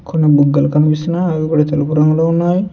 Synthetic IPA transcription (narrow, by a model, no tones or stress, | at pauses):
konːibuɡːɐlukɐmipisinaikuɽat̪elupuɾɐmloːunːaːji